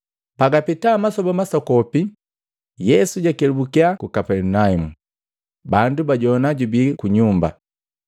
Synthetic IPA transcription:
paɡapitamasɔbɔmasɔkɔpi | jɛsuɟakɛlubukiakukapɛlunaimu | bandubaɟɔnaɟubikuɲumba̰

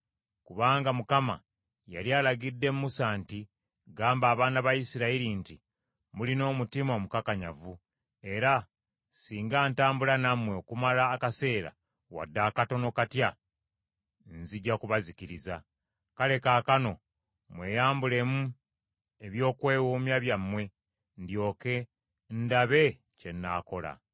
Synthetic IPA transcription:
kuβaːŋɡamukama̰ | ja̰lialaɡidːe̞mumusaːnti | ɡaːmbaːβaːnaβajisiɾaiɾinti | mulino̞ːmutimomukakaɲa̰vu | e̞ɾa | siːŋɡaːntaːmbulanamwe̞okumalaːkase̞ːɾa̰ | wa̰dːaːkato̞no̞katja | nziɟːakuβaziciɾiza | kale̞kaːkano̞ | mwe̞ːjaːmbule̞mu | e̞βjo̞ːkwe̞ːwoːmjaβjamːwe̞ | ndjo̞ːke̞ | ndaβe̞ | ce̞nːa̰ːko̞la̰

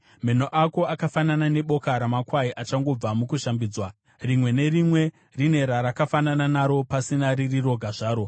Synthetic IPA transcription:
me̞n̤oʔako̞akafananane̞ɓo̞kaɾamakwaiʔat͡ʃaŋɡo̞b͡vamukuʃambiːd͡zwa | rimwe̞ne̞rimwe̞ | rine̞ɾaɾakafanananaɾo̞pasinaɾiriro̞ɡʱaʐaːɾo̞

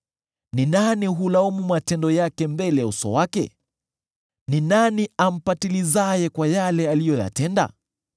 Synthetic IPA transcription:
ninaniɦulaɔmumatɛndɔjakɛmbɛlɛjausɔ̰wakɛ̰ | ninaniam̩patilizajɛkwajalɛalijɔja̰tɛnda̰

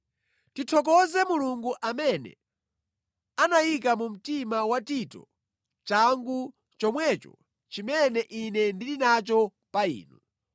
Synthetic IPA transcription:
titʰɔk̬ɔzɛmuluŋɡuʔamɛnɛ̰ | anajik̬amum̩timawatitɔ̰ | t͡ʃaŋɡu | t͡ʃɔmwɛt͡ʃɔ̰ | t͡ʃimɛnɛʔinɛndilinat͡ʃɔ | paḭːnu

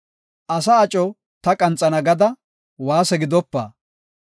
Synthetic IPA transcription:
ʔɐsɐːt͡ʃʼɔ | t̪ɐkʼɐnt͡sʼːɐnɐɡɐd̪ɐ | waːsɛɡɪd̪ɔpːa̰ː

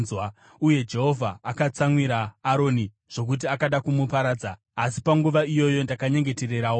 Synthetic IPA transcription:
wa | uje̞d͡ʒe̞ɦo̞vʱaːkat͡samwiɾaːɾo̞ːni | ʐ̥o̞k̬ut̬iakaɗakumupaɾaːd͡zaː | si̥paŋɡuʋaijo̞jo̞ndakaɲe̞ŋɡe̞te̞re̞ɾaːwo

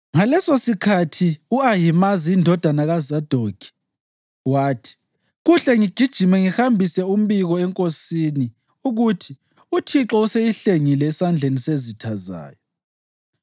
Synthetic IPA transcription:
ŋalɛsosikʰatʰiuajimaziːndʱɔd̥ʱanaɣazad̥ʱoɡ̥ʱi̥ | waːtʰi̥ | ɣuɬɛŋiɡ̥ʱid̥ʒ̥ʱimɛŋihambʱisɛum̩βiɣɔɛŋkʼosini | uɣutʰi | utʰiǁɔusejiɬeŋilɛːsand͡ɮʱenisezitʰaza̰ːjɔ

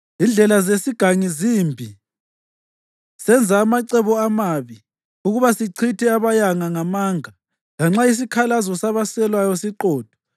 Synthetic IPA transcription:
ind͡ɮʱɛlazesiɡ̥ʱaŋizimbʱi | sɛnd͡zʱaːmaǀɛβɔamaβi | uɣuβasiǀʰitʰɛaβajaŋaŋamaŋa | laŋ͡ǁais̬ikʰalazɔsaβasɛlwajɔsiǃɔːd̥ʱɔ̥

